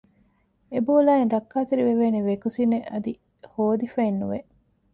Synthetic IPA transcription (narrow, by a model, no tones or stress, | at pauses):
eboːlaːinɾɐkːaːt̪eɾiʋeʋeːneʋekusineʔɐd̪i | hoːd̪ifɐinːṵʋeʔ